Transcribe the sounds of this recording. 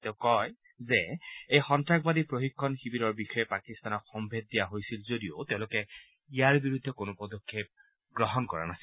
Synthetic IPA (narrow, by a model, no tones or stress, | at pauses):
teʊ̃kɔj | zɛejxɔntɹakbadipɹoxikʰːɔnxibiɾɔɹbixɔjɛpakist̪anɔkxɔmbʱed̚dijaɦojsilzodio̰tɛʊ̃lʊkɛ | ijaɹbiɹud̪ʱːɛkonopɔd̪ɔkʰːep̚ | ɡɹɔɦɔnkɔɹa̰nasi̥